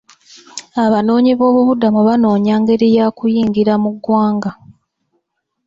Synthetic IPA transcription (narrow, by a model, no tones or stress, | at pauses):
aβano̞ːɲiβo̞ːβuβudamuβano̞ːɲaːŋɡe̞ɾijakujiːŋɡiɾamuɡwaːŋɡa